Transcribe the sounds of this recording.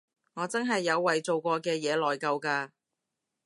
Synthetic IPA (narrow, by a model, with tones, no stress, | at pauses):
ŋɔː˨˧t͡sɐ˥nɦɐ˨jːɐ˨˧wːɐ˨jt͡so˨wkʷɔː˧kɛː˧jɛː˨˧lɔː˨jkɐ˧wkaː˧